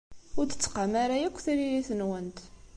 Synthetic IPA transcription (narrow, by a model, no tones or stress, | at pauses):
ʊɾθə̥t͡sːqamaɾajækʷːθiɾiɾiθənwənt̪